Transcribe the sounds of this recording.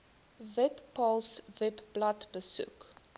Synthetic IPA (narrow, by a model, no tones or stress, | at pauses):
vɛpːɔlˠsvɛpblɐtbəsṵk